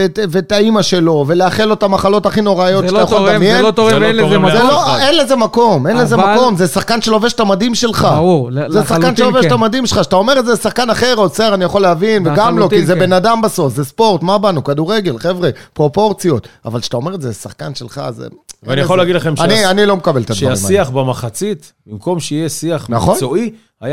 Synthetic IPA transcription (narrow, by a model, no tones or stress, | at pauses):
etvetaimaʃe̞lo̞ve̞leaχelot̪amaχalo̞thaχino̞ʁajotaajaχolamjenoenezeloenlezemako̞menlezemako̞mzesaχkanʃeloveʃt̪amadimʃe̞lχazesaχkanʃeloveʃt̪amadimʃelχaʃatao̞meetzesaχkanaχeʁoseʁanijaχo̞leavinveɡamlo̞kizebe̞nadambaso̞fzespo̞ʁt̪mabanukaduʁeɡe̞lχevʁepʁo̞po̞ʁt͡sijo̞t̪a̰valʃe̥at̪ao̞me̞ʁetzezesaχkanʃelχa̰zḛveanijolːeaɡid̪laχemʃanianilo̞mekabelt̪aaimiaχbemaχat͡sit̪ | bimko̞mʃeijesiaχnaχonoi | aja